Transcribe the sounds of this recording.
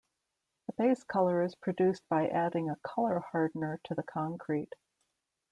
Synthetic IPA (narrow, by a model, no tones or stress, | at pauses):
ðəbeɪskʰʌlˠə˞ɨz̥pʰɹ̥ɨdʉsb̥aɪʔæɾɪ̃ŋəkʰʌlˠə˞hɑɹdⁿnə˞ɾɨðɨkʰɑ̃ŋkʰɹ̥it